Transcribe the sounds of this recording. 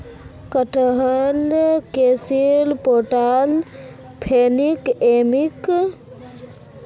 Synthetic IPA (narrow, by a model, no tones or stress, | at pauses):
kəʈəɦəlkeːsilpoːʈal | pʰeːnikeːmik